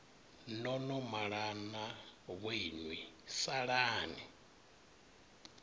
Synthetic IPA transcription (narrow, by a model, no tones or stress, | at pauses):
nɔnɔmaɺanaβwenwisaɺaːni